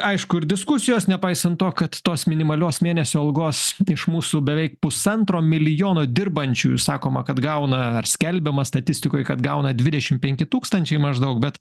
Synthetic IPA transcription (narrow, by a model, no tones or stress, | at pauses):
ɐɪʃkʊɪɾd̪ʲɪskʊsʲɪjoːsnʲɛpɐɪsɐnt̪oːkɐt̪t̪oːsmʲɪnʲɪmɐlʲoːsmʲeːnʲɛsʲoːɐlˠɡoːsɪʃmuːsubʲɛʋʲɛɪkpʊsɐnt̪ɾoːmʲɪlʲɪjoːnoːd̪ʲɪrbɐnʲt͡ʃʲṵːjsɑːkoːmɐkɐt̪ɡɐʊnɐɐrsʲkʲɛlʲbʲɛmɐst̪ɐt̪ʲɪsʲt̪ʲɪkoːjkɐt̪ɡɐʊnɐd̪ʲʋʲɪd̪ʲɛʃʲɪmpʲɛŋʲkʲɪt̪uːkst̪ɐnʲt͡ʃʲɛɪmɐʒd̪ɐʊk̚bʲɛt̪